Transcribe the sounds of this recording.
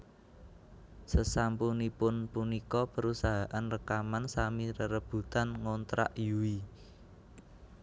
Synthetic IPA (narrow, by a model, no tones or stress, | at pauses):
səsampunipʊnpunikɔpəɾusaɦaʔanrəkamansamiɾəɾəb̥ṳt̪anŋont̪ɾa̰ʔjuwi